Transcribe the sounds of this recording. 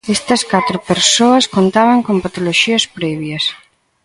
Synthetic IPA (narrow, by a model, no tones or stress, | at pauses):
est̪ɐskat̪ɾʊpeɾsoɐskont̪aβɐŋkompat̪oloʃiɐspɾɛβjɐs